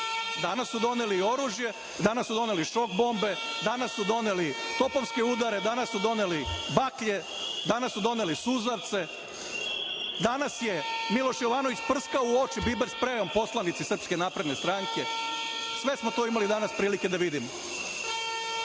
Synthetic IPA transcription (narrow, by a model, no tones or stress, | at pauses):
d̪anasːud̪o̞nelio̞ɾuːʒje̞ | d̪anasːud̪o̞ne̞liʃo̞k̚bo̞mbe̞d̪anasːud̪o̞nelit̪o̞poʋske̞ud̪aɾe̞d̪anasːud̪o̞nelibakʎe̞ | d̪anasːud̪o̞nelisuzaɾt̪se̞ | d̪anasje̞milˠo̞ʃjoʋaːnoʋit͡ɕpr̩skaouo̞t͡ʃibibeɾspɾeo̞mpo̞slˠanit̪sisrpske̞naːpɾed̪nest̪ɾaŋke̞ | sʋe̞smot̪oimalid̪anaspɾiːlike̞d̪aʋid̪imo